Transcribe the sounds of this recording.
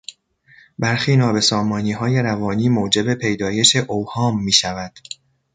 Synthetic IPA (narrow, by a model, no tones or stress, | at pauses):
bæɾxiːnɒːbe̞sɒːmɒːniːɦɒːje̞ɾævɒːniːmoːd͡ʒe̞be̞pʰe̞jd̪ɒːje̞ʃe̞ʔowhɒːmːiːʃævæd̪̥